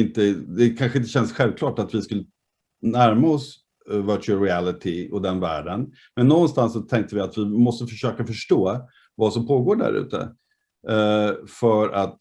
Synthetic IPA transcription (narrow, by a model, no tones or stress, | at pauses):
ɪnt̪əd̪ɛkʰanɧəɪnt̪əɕɛnsɧɛlvkʰlɑːʈat̪vɪskɵlːə | næɾmaɔs | vœt͡ʃːɾɪælɪt̪ʰɪɔd̪ɛnvæ̰ːɖən | mɛnːɔnnst̪ansːɔt̪ʰɛŋk̚t̪əvɪat̪vɪmɔst̪əfœʂøːkafœʂʈoː | vasɔmpʰoːɡoːɖæ̰ɾʉ̟̰ːt̪ə̰ | fœɾat̪